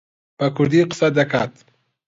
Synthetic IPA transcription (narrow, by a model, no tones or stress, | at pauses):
pakʊɾd̪iqɪ̥sad̪akat̪